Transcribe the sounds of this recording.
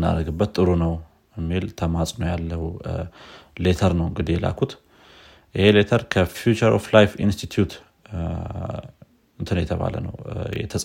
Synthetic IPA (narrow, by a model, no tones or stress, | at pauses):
na̰ɾɡɨbːət̪ʼːɨɾunəw | ɨmːilt̪ʰəmasʼnəwjalːəh | le̞t̪ʰəɾnəwɨŋɡɨd̪ijɛla̰kʰut̪ | ʔɨhe̞let̪ʰəɾkʰəfjut͡ʃəɾoflajfinst̪ʰit̪ʰjut̪ | ɨnt̪ʰɨnwjɛt̪ʰəβa̰lə̰nə̰wjɛ̰t̪ʰəsʼ